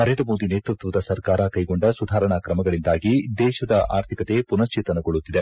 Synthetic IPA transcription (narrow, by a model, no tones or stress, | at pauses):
nɐɾeːnd̪ɾɐmo̞ːd̪ineːt̪ɾut̪ʋɐd̪ɐsɐɾkaːɾɐkɐjɡoɳɖɐsud̪ʱaːɾɐɳɐkɾɐmɐɡɐɭind̪aːɡid̪ɛːʃɐd̪ɐaːɾt̪ʰikɐt̪e̞punɐst͡ʃiːt̪ɐnɐɡoɭːut̪ːid̪e